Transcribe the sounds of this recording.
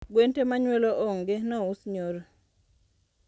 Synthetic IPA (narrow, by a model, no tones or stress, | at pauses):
ɡwentemaɲweloʔɔŋɡenɔʊsɲoɾo